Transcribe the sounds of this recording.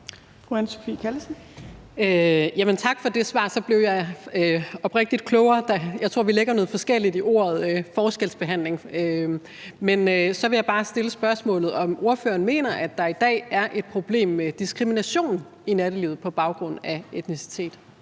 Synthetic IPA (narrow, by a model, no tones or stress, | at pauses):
fʁuænso̥fḭːkʰælsn̩ | øjæmənt͡sʰɑ̈ɡ̥fɒ̽d̥e̝sʋɑ̰̈ːsɒ̽b̥le̝ʊjɑ̈ɪ | ɒ̽b̥ʁɛɡ̥̚d̥id̥̚kʰlɔʊɐːd̥ɑjɑɪt͡sʰʁo̰ɐ̰ʋileɡ̥ɐnɔ̽ð̩ˠfɒ̽sɡ̥el̰id̥iʔo̝̰ːɐð̩ˠfɒːsɡ̥elsb̥e̝ɦæn̰le̝ŋø | menøsɒ̽ʋe̝jɑ̈ɪb̥ɑ̈ːsd̥e̝ləsb̥ɶɐsmɔ̰̽ːlð̞̩ˠɒ̽mo̝ɐfø̰ːɐnme̝̰ːnɐʔæd̥ːɑ̈id̥ɛ̰ːæɐʔe̝d̥̚pʰʁo̝b̥le̝̰ːmːed̥isɡ̥ʁiminæɕo̝̰ːn | inæɾ̥əlḭːʊð̩ˠpʰɒ̽b̥ɑ̈ʊɡ̥ʁɔ̽n̰æe̝d̥nisi̥t͡sʰe̝̰ːd̥